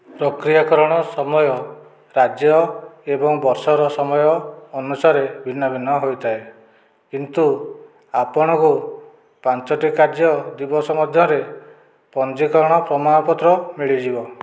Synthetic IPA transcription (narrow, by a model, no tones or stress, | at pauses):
pɾɔkɾijakɔɾɔɽ̃ɔsɔmɔjɔ | ɾad͡ʒjɔebɔŋbɔɾsɔɾɔsɔmɔjɔːnusaɾebʱinːɔbʱinɔɦojt̪ʰae | kint̪u | apɔɽ̃ɔku | pant͡ʃɔʈikaɾd͡ʒjɔd̪ibɔsɔmɔd̪ʱjɔɾe | pɔnd͡ʒikɔɾɔɽ̃ɔpɾɔmaɽɔpɔt̪ɾɔmiɭid͡ʒibɔ